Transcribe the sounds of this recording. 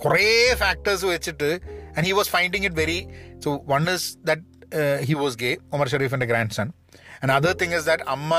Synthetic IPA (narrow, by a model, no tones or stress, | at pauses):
kɔrefæːk̚ʈɐɾs̬ʋet͡ɕːiʈːɨɛ̃ɳɖhiːʋɔːsfãɪ̃ɳɖɪ̃ŋɪʈ̬ʋeɾisoːʋɐ̃nɪsd̪ɐʈ̚ɦiːʋɔːsɡeːomɐɾʃ̬ɐɾiːfɐ̃nɖɨɡɾæ̃ːɳɖsɐ̃n | ɛ̃nɐd̪ɐɾt̪ɪ̃ŋɪzd̪ɐʈɐmːɐ